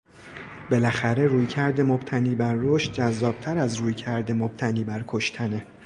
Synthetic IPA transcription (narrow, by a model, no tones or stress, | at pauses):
be̞læxæɾe̞ɾuːjcʰæɾd̪e̞mob̥t̪ʰæniːbæɾːoʃt̪̚d͡ʒæzːɒːb̥̚t̪ʰæɾæzruːjcʰæɾd̪e̞mob̥̚t̪ʰæniːbæɾkʰoʃt̪ʰæne